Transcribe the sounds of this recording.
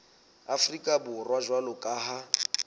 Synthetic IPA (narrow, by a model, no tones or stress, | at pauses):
afrikʼabʊrwaʒwalʊkʼaːɦa